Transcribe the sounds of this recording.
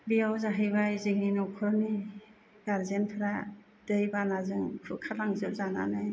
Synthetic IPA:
bijawzaɦɯjβajzɯŋinɔwkʰɯɾni | ɡ̥aɾzenpʰɯɾa | dɯjbanazɯŋkʰɯkʰalaŋzɯp̚zana̰nɯj

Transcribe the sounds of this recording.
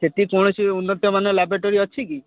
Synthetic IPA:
set̪ikɔɳ̃ɔsiunːɔt̪jɔmanɔlabɾaʈoɾiɔt͡ʃʰiki

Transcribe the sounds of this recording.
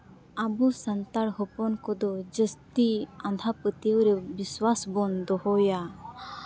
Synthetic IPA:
abɔsant̪aɽɦɔpɔnkɔd̪ɔd͡ʒəst̪iand̪ʱapət̪iwɾɛbiswasbɔnd̪ɔɦɔja

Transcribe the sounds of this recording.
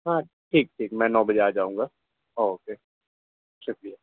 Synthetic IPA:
ɦãːʈʰiːk̚ʈʰiːk̚mɛ̃ːnɔ̃ːbəd͡ʒead͡ʒaːũːŋɡaː | oːoːkeː | ʃʊk̚ɾijɛ

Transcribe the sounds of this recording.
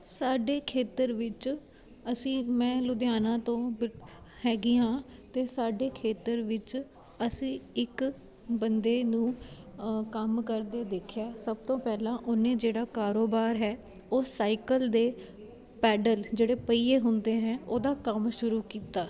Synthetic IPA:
saːɖeːkʰeːt̪əɾʋɪt͡ʃ | əsĩːmɛ̃ːlʊd̪jaːnãːt̪õːbɪhɛːɡɪjãːt̪eːsaːɖeːkʰeːt̪əɾʋɪt͡ʃ | əsĩːɪk | bənd̪eːnũː | kəmkəɾd̪eːd̪eːkʰjaːsəbt̪õːpɛːlãːʔʊnẽːd͡ʒeːɽaːkaːɾoːbaːɾɦɛː | oːsaːɪkəld̪eː | pɛːɖəld͡ʒeːɽeːpəiːeːɦʊnd̪eːɦɛ̃ːoːd̪aːkəmʃʊɾuːkiːt̪aː

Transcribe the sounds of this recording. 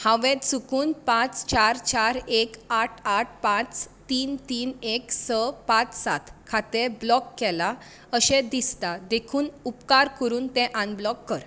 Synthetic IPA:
hãʋẽt̪sukuːnpãt͡st͡ɕaɾt͡ɕaɾekaʈʰaʈ̚ʰpãt͡st̪iːnt̪iːneksəpãt͡ssat̪ʰkʰat̪eblɔkːɛla | əɕẽd̪ist̪ad̪ekʰuːnupkaɾkəɾuːnt̪ẽʔãnblɔkːəɾ

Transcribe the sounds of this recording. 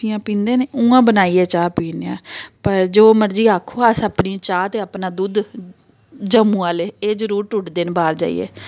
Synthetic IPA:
ɪjãːpĩːnd̪eːneːũːãːbənaːiːeːt͡ʃaːpiːneã̰ːpəɾd͡ʒoːməɾd͡ʒiːaːkʰoːəsəpniːt͡ʃaːt̪eːaːpnaːd̪uːd̪ | d͡ʒəmũːaːleːeːd͡ʒəɾuːɾʈʊʈd̪eːnbaːɾd͡ʒa̰ːḭjḛː

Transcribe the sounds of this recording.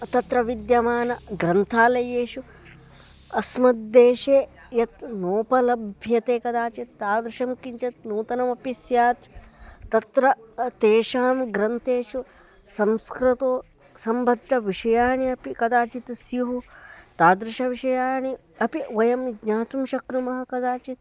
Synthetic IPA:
t̪ɐt̪ɾɐʋid̪jɐmaːnɐɡɾɐnt̪ʰaːlɐjeːʃu | ɐsmɐd̪ːeːʃeː | jɐt̪noːpɐlɐbʱjɐt̪eːkɐd̪aːt͡ʃit̪ːaːd̪ɾuʃɐmkiɲt͡ʃɐt̪nuːt̪ɐnɐmɐpisjaːt̪ː | ɐt̪ɾɐt̪eːʃaːmɡɾɐnt̪eːʃu | sɐmskɾɪt̪oː | sɐmbʱɐd̪ʈɐʋiʂɐjaːɳiɐpikɐd̪aːt͡ʃit̪siɦut̪aːd̪ɾɪʃɐʋiʃɐjaːɳi | ɐpiʋɐjɐmɡɲaːt̪umʃɐkɾumɐɦɐkɐd̪aːt͡ʃit̪̚

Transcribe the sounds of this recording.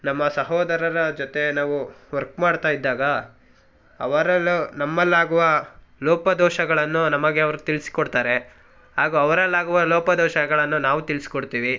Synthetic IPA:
nɐmːɐsɐɦɔːd̪ɐɾɐɾɐd͡ʒot̪e̞naːʋuʋɐɾkmaːɽt̪aːjid̪ːaːɡɐ | ɐʋɐɾɐlːunɐmːɐlːaːɡuʋɐlɔːpɐd̪ɔːʃɐɡɐɭɐnːunɐmɐɡeɐʋɐɾut̪ilisi̥koɽt̪aːɾe̞ | ɦaːɡuɐʋɐɾɐlːaːɡuʋɐlɔːpɐd̪ɔːʃɐɡɐɭɐnːunaːʋut̪ilisi̥koɽt̪iːʋi

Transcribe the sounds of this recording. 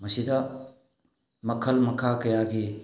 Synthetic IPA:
mɐsid̪ɐ | mɐkʰːəlmɐkʰːakɐjaɡi

